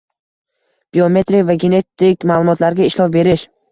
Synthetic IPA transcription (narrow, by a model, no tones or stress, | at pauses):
b̥io̞me̞t̪ɾɪkʲvaɡʲe̞ne̞t̪ːɪkʲmaːlˠʊmɒt̪laɾɡʲaɪʃlɒfbe̞ɾɪʃ